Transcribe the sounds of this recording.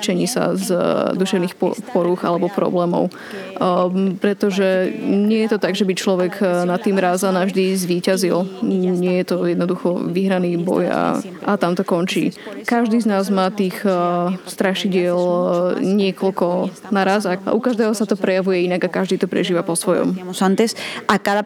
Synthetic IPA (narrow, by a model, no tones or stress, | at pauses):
t͡ʃɛɲiːsa̰zd̪uʃɛʊniːxɔ̰pɔɾuɣa̰lɛbɔpɾɔ̰blɛːmɔ̰ʊ | pɾɛt̪ɔʒɛɲɪɛjɛt̪ɔt̪aɡʒɛbit͡ʃlɔʋɛɡnat̪ːiːmɾaːzanavʒd̪izʋiːcazilɲɪɛjɛt̪ɔjɛd̪nɔd̪uxɔʋiɦɾaniːbɔ̰ja̰ | ʔat̪amt̪ɔkɔnt͡ʃḭːkaʒd̪iːznaːzmaːt̪iːxst̪ɾaʃiɟɪɛlɲɪɛkɔlkɔ | naɾazaa̰ʔukaʒd̪ɛːɦɔsat̪ɔpɾɛjaʋujɛinaɡakːaʒd̪iːt̪ɔpɾɛ̰ʒiːʋapɔsʋɔjɔ̰msant̪ɛsakad̪a